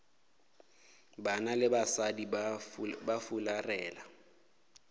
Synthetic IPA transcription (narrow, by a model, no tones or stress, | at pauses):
banalɪbasadi | bafularɛːla